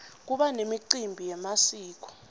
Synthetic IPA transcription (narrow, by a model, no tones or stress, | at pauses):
k̬uɓanemiǃimbʱijɛmasiːk̬ɔ̥